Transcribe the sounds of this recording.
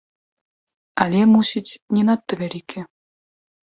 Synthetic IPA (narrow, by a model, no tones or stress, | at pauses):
ɑlʲemusʲitʲnʲenɑt̪ːə̆βʲeɾʲikʲʰĕ